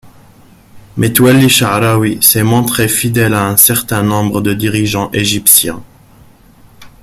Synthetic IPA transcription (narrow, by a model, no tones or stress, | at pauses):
mʔɛt̪wɛlːiʃaɾawisɛmɔ̃t̪χefid̪ɛlaɛ̃sɛʁt̪ɛ̃nɔ̃bʁəd̪əd̪iʁiʒɑ̃ʔeʒipsjɛ̃